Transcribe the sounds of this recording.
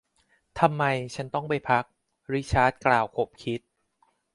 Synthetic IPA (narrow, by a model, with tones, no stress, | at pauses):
t̪ʰa˧mːa˧jt͡ɕʰa˦˥nt̪ɔ˥˩ŋpa˧jpʰa˦˥k̚ | ɾi˦˥t͡ɕʰaː˦˥t̪̚klaː˨˩wkʰo˨˩p̚kʰi˦˥t̪̚